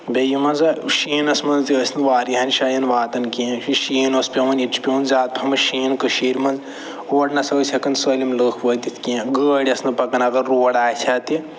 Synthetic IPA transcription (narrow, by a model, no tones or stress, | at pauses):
bejimɐnzɐʃiːnɐsmɐnzt̪iəsʰʲnɨʋaːɾiɦɐnʃɐjɐnʋaːt̪ɐnkiɐ̃iʃiːnospʲemɐnit͡ʃʰpʲeːnzaːt̪̚pʰɐmɐʃiːnkɐʃiːɾʲmɐnz | oːʈnɐsɐsʲʰɐkɐnsəːlʲimləːkʰʋəːt̪it̪ʰkiãɡəːɽʲɐsnɨpɐkɐnɐɡɐɾːoːɽaːjt͡ʃʲʰaːt̪i